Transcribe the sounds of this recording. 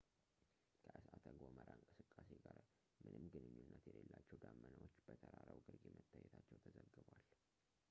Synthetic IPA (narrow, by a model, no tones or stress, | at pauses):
kʰəʔɨsʔat̪ʰəɡoməɾaɨŋkʼɨsɨkʼːaseɡaɾ | mɨnɨmɡɨnɨɲːunːət̪jɛlelːat͡ʃːɛwd̪amːənəwot͡ʃːb̥ət̪ʰəɾaɾəwɡɨɾɡemət̪ʰːajːɛt̪ʰat͡ʃːɛwt̪ʰəzəɡːɨbwal